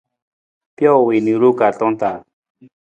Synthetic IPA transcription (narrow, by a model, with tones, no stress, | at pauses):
pjɔ˦˨wi˨ni˨ɾu˦ka˨ɮɔ˦nt̪a˨